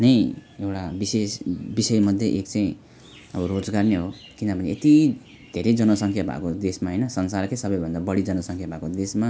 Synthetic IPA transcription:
nʌjewʈabisesbisʌjmʌd̪ʱjeʔek̚t͡saj̃ | ʌbʌrod͡zɡarneɦo | kinʌpʌneet̪i | d̪ʱeɾʌjd͡zʌnʌsʌŋkʰjabʱa̰kod̪esmaɦʌjnʌsʌnsarkesʌbʌjbʱʌnd̪abʌɽid͡zʌnʌsʌŋkʰjabʱakod̪esma

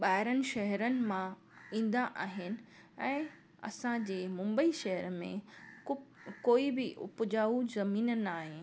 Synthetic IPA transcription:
ɓaːɦɪɾənɪ̆ʃɐɦəɾənɪ̆mã | ĩːn̆d̪aʔaːɦɪnɪ̆ | ɛ̃ː | ɐ̰sãd͡ʑeːmʊ̃mbəiʃɐɦəɾmẽʊkoːibɪʔʊ̰pd͡ʑaːuzɐmiːnnaːɦe

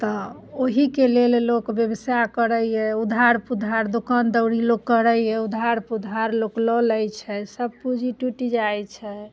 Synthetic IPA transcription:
t̪ɔ | oɦikelellokbjəbəsakəɾəjɛud̪ʱaɾpud̪ʱaɾd̪okənd̪əwɽilokːəɾəjɛud̪ʱaɾpud̪ʱaɾloklɔləjt͡ʃʰɛsəb̚pud͡ʒʱiʈuʈid͡ʒajt͡ʃʰɛ

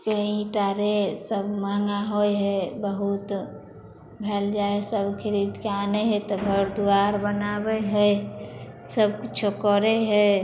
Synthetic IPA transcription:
kəɦĩʈaɾesəbmaŋɡaɦojɦɛbəɦut̪ | bʱɛld͡ʒaesəbkʰɪɾid̪keaneɦɛt̪ɔɡʱəɾd̪uaɾbənabɛɦəj | səbkut͡ʃʰokɔɾeɦɛ

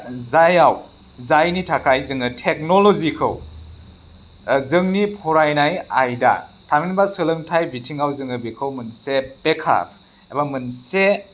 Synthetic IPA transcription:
zajaw | zajnitʰakʰajzɯŋɯtʰek̚nolozikʰɯ̰w | zɯŋnipʰɔɾajnaja̰jda̰ | tʰaminbasɯlɯŋtʰajbitʰiŋawzɯŋɯbikʰɯwmɯnsepekʰa̰pʰ | ebamɯnse

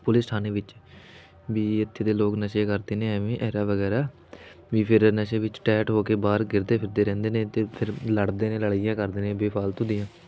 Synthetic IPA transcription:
pʊlɪsʈʰaːneːʋɪt͡ʃ | ʋiːɪt̪ʰːeːd̪eːloːknəʃekəɾd̪eːneːəʋẽːʔɛːɾaːʋəɡɛːɾaː | ʋiːpʰɪɾnəʃeːʋɪt͡ʃʈɛːʈɦoːkeːbaːɾɡɪɾd̪eːpʰɪɾd̪eːɾɛ̃ːnd̪eːnẽːt̪eːpʰɪɾləɽd̪eːnẽːləɽijãːkəɾd̪eːnẽːbeːpʰaːlt̪ʊ̃ːd̪ɪjãː

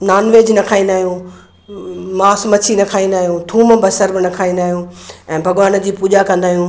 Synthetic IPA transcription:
naːnʋeːd͡ʑnɐkʰaːĩnd̪aːɦijũː | maːsmɐt͡ɕʰinɐkʰaːĩnd̪aːɦijũːt̪ʰuːmbɐsəɾbɪnɐkʰaːĩnd̪aːɦijũːɛ̃ːbʱɐɠʋaːn̆d͡ʑiːpuːʄakɐ̃nd̪aːɦijũː

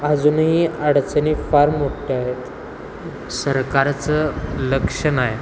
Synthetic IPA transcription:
ad͡zunɦiːəɽt͡sənifaɾmmoʈʈeaɦet̪ | səɾkaɾt͡sələkʂənaɦe

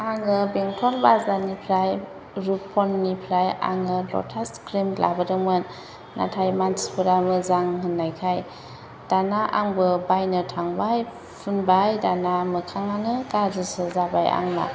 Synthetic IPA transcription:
aŋɯbeŋtʰɔlbazanipʰɾaj | ɾupʰɔnːipʰɾaja̰ŋɯlɔ̰tʰaskɾimla̰bɯdɯŋɯnː | a̰tʰajmantpʰɯɾamɯzaŋɦɯnːajkʰaj | d̥anaʔaŋbɯbajnɯtʰaŋbaj | pʰunbajdanamɯkʰaŋaŋɯɡazɯsɯzabaja̰ŋna̰

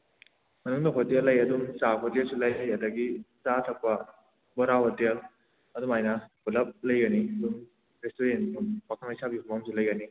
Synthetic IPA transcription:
mɐnuŋdɐɦotelːɐjɐduŋsaɦotelsulɐjajadɐɡisatʰɐk̚pɐ | bɔɾahotel | ɐduŋajnɐbulɐp̚lɐjɡɐniɐduŋ | ɾestoɾenupakʰɐlŋɐjsʰabihumamsulɐjɡɐni

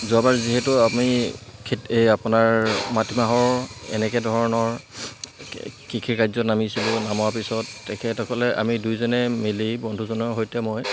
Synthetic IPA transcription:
zabaɹziɦɛtʊamikʰetapʊnaɹmatimaɦɔɹɛ̰nɛkɛdʱɔɹɔnɔɹ | kikʰiɹkajzɔtnamisilʊ̃namɔwapisɔtːɛkʰɛtɔkʰɔlɛʔa̰midujzɔnɛmilibɔndʱuzɔnɔɦojtɛmoj

